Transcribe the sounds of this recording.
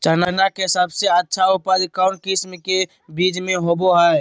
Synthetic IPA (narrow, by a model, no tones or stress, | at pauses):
t͡ʃananakeɦɪsəbseətːʃʰaʊpad̪ɪkaʊɳʈkismke | biːd͡ʒmẽɦoboɦa